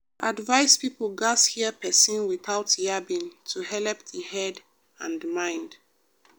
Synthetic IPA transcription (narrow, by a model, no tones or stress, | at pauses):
ʔadvaɪspipl̩ɡashiəpʰɛsĩnwiθaʊtjabĩntʰuhɛlɛp̚ðəhɛd | ãndmãɪ̃nd̥